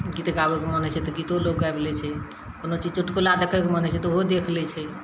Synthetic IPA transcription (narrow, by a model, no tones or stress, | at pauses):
ɡit̪ɡabekemənɛt͡ʃʰɛt̪ɔkit̪oloɡːaeblɛt͡ʃʰɛ | konot͡ʃid͡ʒt͡ʃuʈkolad̪ekʰekemənɛt͡ʃʰɛt̪ɔɦod̪ekʰlɛt͡ʃʰɛ